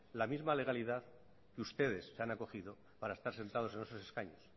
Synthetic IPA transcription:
lamizmale̞ɣ̞aliðað | keust̪e̞ðe̞sːeanako̞xiðo | paɾae̞st̪aɾse̞nt̪að̞o̞se̞nesose̞skaɲos

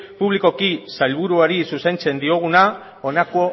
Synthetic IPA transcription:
puβliko̞kisajlβ̞uɾuaɾisusejnt͡se̞nd̪io̞ɣ̞una | o̞nakoo

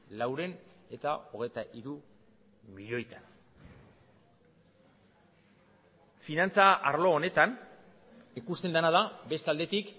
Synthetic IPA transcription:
lawɾe̞ne̞t̪ao̞ɣ̞e̞jt̪aʔiɾu | miʎo̞jt̪an | finant͡saaɾlo̞ːne̞t̪an | ikust̪e̞nd̪anaðabe̞st̪ald̪e̞t̪ik

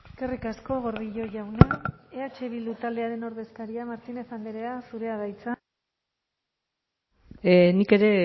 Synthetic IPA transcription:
eske̞rikasko̞ɣo̞ɾðiʎo̞ʝawneeat͡ʃe̞β̞ild̪ut̪ald̪e̞aɾe̞no̞ɾðe̞skaɾiamaɾt̪ine̞sand̪eɾeasuɾe̞aðajt͡sa | nike̞ɾe̞

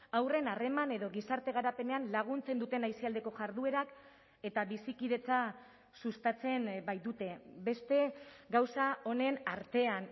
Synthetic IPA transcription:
awre̞nare̞mane̞ðo̞ɣisaɾt̪e̞ɣ̞aɾape̞ne̞anlaɣ̞unt͡se̞nd̪ut̪e̞najsiald̪e̞ko̞ʝaɾðue̞ɾak | e̞t̪aβisikið̞e̞t͡sa | sust̪at͡se̞mbajd̪ut̪e̞be̞st̪e̞ɡawsao̞ne̞naɾt̪e̞an

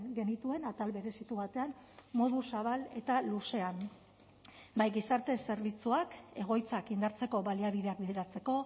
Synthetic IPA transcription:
ɡe̞nit̪ue̞nat̪alβeɾe̞sit̪uβat̪e̞ammo̞ðusaβale̞t̪aluse̞am | bajɣisaɾt̪e̞se̞ɾβ̞it͡suake̞ɣ̞o̞jt͡sakind̪aɾt͡se̞ko̞βaliaβiðe̞ak̚biðeɾat͡se̞ko̞

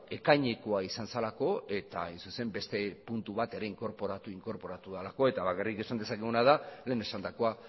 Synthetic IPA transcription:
e̞kajɲe̞ko̞aisansalako̞e̞t̪aajnsuse̞mbe̞st̪e̞punt̪uβat̪e̞ɾe̞iŋko̞ɾpo̞ɾat̪uiŋko̞ɾpo̞ɾat̪uð̞alako̞e̞t̪aβakarike̞sand̪e̞sakeɣunaðale̞ːne̞sand̪akoa

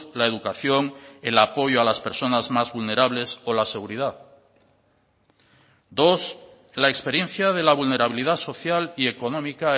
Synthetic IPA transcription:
lae̞ðukaθjo̞ŋe̞lapo̞ʝoalaspe̞ɾso̞nazmazβulne̞ɾaβle̞so̞lase̞ɣuɾiðað | d̪o̞s | laekspe̞ɾje̞nθjað̞e̞laβ̞ulne̞ɾaβ̞iliðaso̞θjalie̞ko̞nõ̞mika

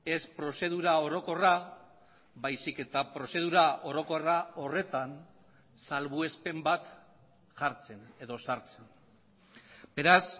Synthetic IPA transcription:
e̞spɾo̞se̞ð̞uɾao̞ɾo̞ko̞ra | βajsike̞t̪apɾo̞se̞ð̞uɾao̞ɾo̞ko̞rao̞re̞t̪an | salβue̞spe̞mbat̪ | ʝaɾt͡se̞ne̞ðo̞saɾt͡se̞n | be̞ɾas

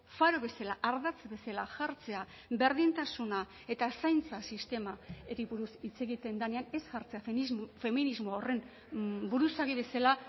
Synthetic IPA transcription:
faɾoβe̞salaʔaɾðat͡sbe̞salaʝaɾt͡se̞a | be̞ɾðint̪asuna | e̞t̪asajnt͡sasist̪e̞maeɾiβuɾusit͡se̞ɣit̪e̞nd̪ane̞ane̞sʝaɾt͡se̞azfe̞minizmoore̞m | buɾusaɣiβe̞sala

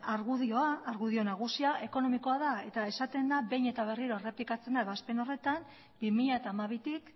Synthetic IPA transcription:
aɾɣuðio̞aːɾɣuð̞io̞naɣ̞usiaʔe̞ko̞no̞miko̞aðae̞t̪ae̞sat̪e̞nd̪abe̞jɲe̞t̪aβ̞e̞riɾo̞ere̞plikat͡se̞nd̪aeβaspe̞no̞re̞t̪am | bimiʎaet̪aːmaβ̞it̪ik

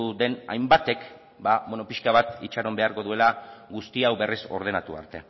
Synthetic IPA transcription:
ðe̞na̰jmbat̪e̞k | babweno̞piʃkaβ̞at̪it͡ʃaɾo̞mbe̞aɾko̞ðue̞laɡust̪iawβe̞riso̞̰ɾð̞e̞nat̪ua̰ɾt̪e̞̰

